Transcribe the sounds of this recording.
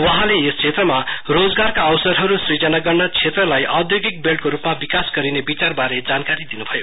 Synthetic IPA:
wʌɦãleest͡sʰet̪rʌmarod͡zɡarkaʌwsʌɾɦʌɾusrid͡zʌnaɡʌrnʌt͡sʰet̪rʌlajʔʌd̪joɡik̚belʈkoɾupmabikasɡʌɾinebit͡sarbaɾed͡zankaɾid̪inubʱʌjo

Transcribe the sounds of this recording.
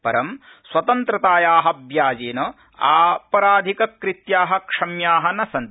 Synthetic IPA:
pɐɾɐm | swɐt̪ɐnt̪ɾɐt̪aːjaːɦɐbʱjaːd͡ʒeːnɐ | aːpɐɾaːd̪ʱikɐkɾit̪jaːɦɐkʂɐmjaːɦɐnɐsɐnt̪

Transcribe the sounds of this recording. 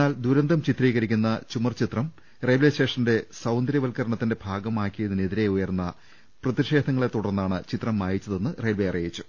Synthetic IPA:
aːld̪uɾɐnd̪ʱɐmt͡ɕit̪riːɣɐɾikʲːunːɐt͡ɕumɐrt͡ɕit̪rɐm | rejʋleːste̞ːʂɐnde̞sɐwnd̪ɾɐʋɐlkɐɾɐɳɐt̪ːinde̞bʱaːɡɐmaːkːijɐðine̞ðiɾe̞ujɐrnːɐ | prɐt̪iʂe̞ːd̪ʱɐŋːɐɭe̞t̪ːuɽɐrnːaːɳɨt͡ɕit̪rɐmːaːjit͡ɕːɐðe̞nːɨrejlbeɐrijit͡ɕːu̥

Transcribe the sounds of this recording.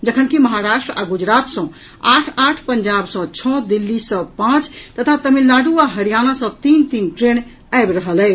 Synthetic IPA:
d͡ʒəkʰənkiməɦaɾaʃʈɾəaɡud͡ʒɾat̪sə̃ | aʈʰaʈʰpəɲd͡ʒabsə̃t͡ʃʰɔd̪ilːisə̃pãt͡ʃt̪ət̪ʰat̪əmilːaɖuaɦəɾijanasə̃t̪int̪inʈɾeñ | aebɾəɦəlɛ

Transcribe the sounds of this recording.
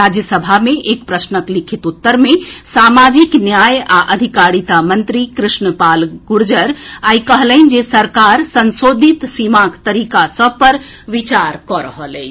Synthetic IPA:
ɾad͡ʒjəsəbʱameʔekpɾəsnəklikʰit̪ut̪ːəɾmesamad͡ʒiknjajaʔəd̪ʱikaɾit̪amənt̪ɾikɾɪsnəpalɡuɽd͡ʒəɾajkəɦləɪn̆d͡ʒesəɾkaɾsənsod̪ʱit̪simakt̪əɾikasəb̚pəɾʋit͡ʃaɾkɔɾəɦəlɛ

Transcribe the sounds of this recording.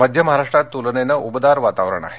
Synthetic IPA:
məd̪ʱjəməɦaɾaʂʈɾat̪ːulnenəʔubəd̪aɾʋat̪aʋɾə̰ɳa̰ɦe

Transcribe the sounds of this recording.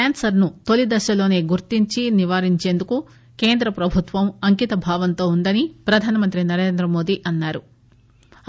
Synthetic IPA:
aːnsɐɾnut̪o̞lid̪ɐʃɐlo̞ːne̞ːɡuɾt̪iɲt͡ʃiniʋaːɾiɲt͡ʃe̞ːnd̪uku | ke̞ːnd̪ɾɐpɾɐbʱut̪ʋɐmɐŋkit̪ɐbʱaːʋɐnt̪o̞ːund̪ɐnipɾɐd̪ʱaːnɐmɐnt̪ɾinɐɾe̞ːnd̪ɾɐmo̞ːd̪iʔɐnːaːɾu

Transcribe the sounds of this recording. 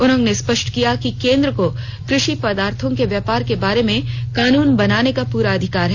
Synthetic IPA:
ʊnɦõnespɐʃʈkijakikẽːnd̪ɾəko | kɾɪʃipɐd̪aːɾt̪ʰõkeʋjɛːpaːɾkebaːɾemẽkaːnuːnbɐnaːnekapuːɾaɐd̪ʱɪkaːɾɦɛ

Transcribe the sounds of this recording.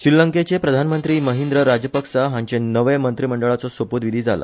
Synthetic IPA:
sɾiləŋket͡ɕepɾəd̪ʱanmənt̪ɾiːməɦend̪ɾəɾad͡ʑjəpəksaɦãɲt͡ɕenəʋemənt̪ɾiːməɳɖəɭat͡sɔsʋəpud̪ʋid̪ʱiːd͡zala̰

